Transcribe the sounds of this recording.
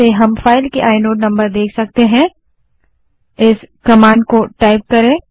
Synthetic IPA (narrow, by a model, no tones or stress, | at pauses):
eɦɐmfaːɪlkeʔaːɪnoːʈnɐ̃mbəɾd̪eːkʰsɐk̚t̪eɦɛ̃ | ɪskɐmãːɳɖ̚koʈaːɪp̚kɐɾẽː